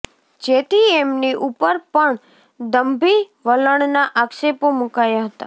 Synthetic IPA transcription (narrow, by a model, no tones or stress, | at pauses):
d͡ʒet̪iemniʔupəɾpəɳ | d̪əmbʱi | ʋələɳnaʔaksepomukajaɦət̪a